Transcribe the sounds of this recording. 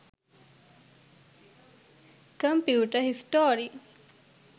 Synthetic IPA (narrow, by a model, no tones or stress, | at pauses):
kɐmpjuːʈəɦisʈoːɾi